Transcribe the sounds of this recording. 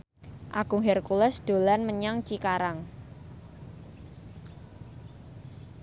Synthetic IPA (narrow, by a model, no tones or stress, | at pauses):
ʔaɡ̥ʊŋɦɛrkulɛsd̪̥o̤lanməɲaŋt͡ʃikaɾaŋ